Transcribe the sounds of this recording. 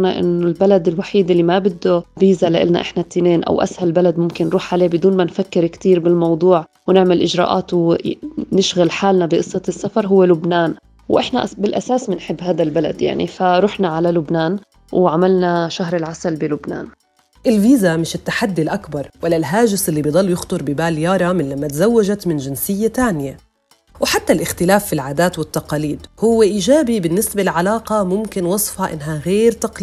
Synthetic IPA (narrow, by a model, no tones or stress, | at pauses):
naʔɪ̰nːolbalad̪ɪlwaħiːd̪ʔɪlːimabɪd̪ːoviːzalaʔɪ̰lna̰ʔɪħnat̪ːineːnʔa̰wʔa̰shalbalad̪mʊmkɪnːɾuːħʕaleːbɪd̪uːnmanfakːɪɾkt̪iːɾbɪlmɑwd̪ˤuːʕ | wnɪʕmɪlʔɪʒɾɑ̰ːʔa̰ːt̪w | nɪʃɣalħaːlnabiʔɨsˤːɑt̪sːafɑɾˤɦʊwːelʊbnaːn | wʔɪħna̰ʔbɪlʔasaːsmɪnħɪbːhaːd̪albala̰d̪ja̰ʕnḭfaɾˤuːħnaʕalalʊbnaːn | wʕamalnaʃaɦɾɪlʕasalbɪlʊbna̰ːn | ʔɪlviːzamɪʃɪt̪ːaħad̪ːilʔakbɑɾˤwalːalɦaːʒɪsʔɪlːibijd̪ˤɑlːjʊxt̪ˤʊɾˤbɪbaːljɑːɾˤɑmɪnlamːat̪azawːad͡ʒat̪mɪnʒɪnsɪjːat̪aːnɪja | wħat̪ːalʔɪxt̪ɪlaːfːilʕaːd̪aːt̪wɪt̪ːaqɑːliːd̪hʊwːeʔiːʒaːbibɪnːɪsbalʕalaːqɑmʊmkɪnwɑsˤfhɑʔɪ̰nːɦaɣeːɾt̪ɑqː